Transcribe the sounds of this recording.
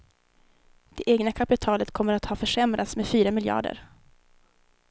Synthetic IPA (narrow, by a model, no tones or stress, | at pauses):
d̪̥ɛʔeːɡnakʰapɪt̪ʰɑːlət̪kʰɔmːəɾat̪hɑːfœʂɛmɾʔat̪smeːd̪fyːɾamɪljɑ̰ːɖə̰ɾ